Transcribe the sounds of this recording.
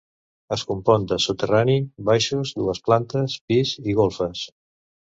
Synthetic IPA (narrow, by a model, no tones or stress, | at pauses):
əskumpɔnd̪əsut̪əranibajʃuzd̪uəsplant̪əspiziɣ̞olˠfəs